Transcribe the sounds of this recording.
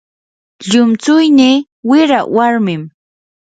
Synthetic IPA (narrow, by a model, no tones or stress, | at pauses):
ʎʊmt͡sʊjniː | wɪɾawaɾmɪm